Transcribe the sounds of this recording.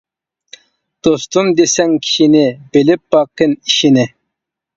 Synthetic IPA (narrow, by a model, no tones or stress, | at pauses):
d̪̥ost̪umd̪esɛŋkʲʰi̥ʃinɪbɪlɪp̚bɑqːɨniʃinɪ